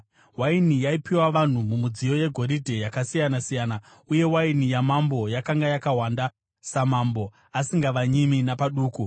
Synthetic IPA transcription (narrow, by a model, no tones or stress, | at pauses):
wainijaipiwaʋan̤umumud͡zijo̞je̞ɡʱo̞ɾidʱe̞jakasijanasijaːna | uje̞wainijamambo̞jakaŋɡajakaɦwanda | samambo̞ | asiŋɡaʋaɲiminapaɗuːku